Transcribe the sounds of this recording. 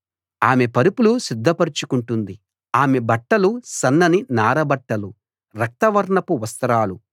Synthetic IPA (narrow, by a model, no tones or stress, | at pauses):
aːme̞pɐɾupulusid̪ʱːɐpɐɾit͡ʃukuɳʈund̪i | aːme̞bɐʈːɐlusɐnːɐninaːɾɐbɐʈːɐlu | ɾɐk̚t̪ɐʋɐɾɳɐpuʋɐst̪ɐɾaːlu